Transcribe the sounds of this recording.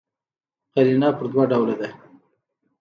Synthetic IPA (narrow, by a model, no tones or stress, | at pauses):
qaɾinɑpəɾd̪waɖawlad̪a